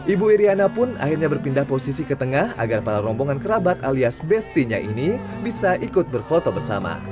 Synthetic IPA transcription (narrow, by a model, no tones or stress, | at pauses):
ʔibuiɾianapʊna̰hirɲabərpindahposisikət̪əŋaha̰ɡarpaɾaɾɔmboŋankəɾabat̪aliasbɛst̪iɲa̰ʔini | bisaʔikʊt̪̚bərfot̪obərsa̰ma̰